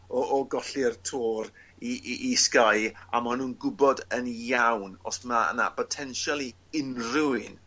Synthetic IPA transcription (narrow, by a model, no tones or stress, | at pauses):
ɔːɡɔɬɪrtʰoːr | iʔʔːskaja̰manuːnɡʊbɔdənjawnɔ̰saə̰na̰pʰɔtʰɛnʃalˠi | ɪnruɨn